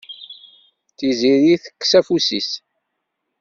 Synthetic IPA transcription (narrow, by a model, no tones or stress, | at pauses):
θiziɾiθə̥kːsæfusis